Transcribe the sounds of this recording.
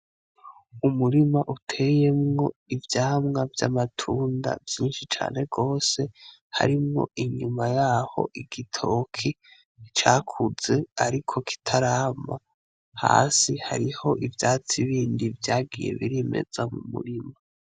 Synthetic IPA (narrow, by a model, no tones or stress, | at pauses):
umuɾimaʔutʰe̞je̞mŋo̞ivjaːmŋavjamatʰuːnda̰vjiːnʃit͡ʃa̰ːne̞ɡo̞ːse̞ | ha̰ɾimŋo̞̰ʔiɲumajaːho̞̰ʔiɡitʰo̞kʰi | it͡ʃaːkʰuze̞aɾikʰo̞ki̥tʰaɾaːma | ha̰ːsihaɾiho̞ʔivjaːt͡siβiːndivjaːɡije̞̰βiɾime̞̰z̥amumṵɾima